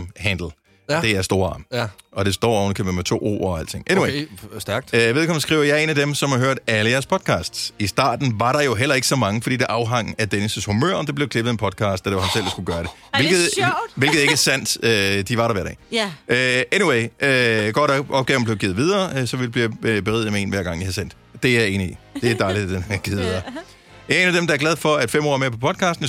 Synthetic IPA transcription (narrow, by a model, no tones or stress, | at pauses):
mhænd̥l̩ | d̥e̝æɐsd̥o̝ːɐɑ̈ːmʔɒ̽d̥e̝sd̥ɒ̰ːɒʊnəkʰeməmet͡sʰo̝̰ːo̰ːɒæl̰d̥t͡sʰe̝ŋ̰ʔeniwe̥ɡ̥ʋeðˠkʰɒ̽mn̩sɡ̥ʁḭʊ̰ɐjɑ̈ɪe̝næd̥emsɒ̽mhɑ̈ɦøɐ̰d̥æləjæɐspʰɒ̽d̥̚kʰɑːsd̥sisd̥ɑ̰̈ːd̥n̩ʋɑ̈ɾɑ̈jo̝ɦel̰ɐe̝ɡ̥əsɒ̽mɑ̈ŋəfɒ̽d̥ḭːd̥eʔɑ̈ʊɦɑ̈ŋ̰̩æd̥enəsəshumø̰ɐ̰ɒ̽d̥e̝b̥le̝ʊkʰle̝b̥ð̩ˠenpʰɒ̽d̥̚kʰɑ̈ːsd̥æd̥eʋhænsel̰e̥sɡ̥uɡ̥ɶːɐd̥e̝ | ʋe̝lɡð̩ˠʋe̝lɡ̥ð̩ˠe̝ɡ̥æsæn̰d̥ød̥iʋɑ̈ɾɑ̈ʋæɐ̰d̥ɛ̰ːøeniweɪøɡ̥ɒ̰ːɾɑʔɒ̽b̥̚ɡ̥ɛːʊn̩ble̝ʊɡiːð̩ˠʋið̞ˠɐːsɒ̽ʋi̥b̥lib̥eʁḭð̰ˠmee̝̰ːnʋæɐɡ̥ɑ̈ŋ̰jihæsen̰d̥ | d̥e̝jæe̝ːniid̥e̝d̥ɑ̈ɪlidd̥enɡ̥ið̩ˠʋiðˠɐː | æeeːnæd̥emd̥ɑ̈æɐɡ̥læðˠfɒ̽æd̥femɒ̰ːme̝ɐpʰɒ̽pʰɒ̽d̥̚kʰɑ̈ːsd̥n̩